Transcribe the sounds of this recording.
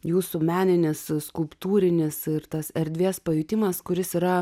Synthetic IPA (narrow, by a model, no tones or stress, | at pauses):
juːsumʲæːnʲɪnʲɪsskʊlˠpt̪uːɾʲɪnʲɪsɪɾt̪ɐsɛɾʲd̪ʲʋʲeːspɐjʊt̪ʲɪmɐskʊɾʲɪsiːɾɐ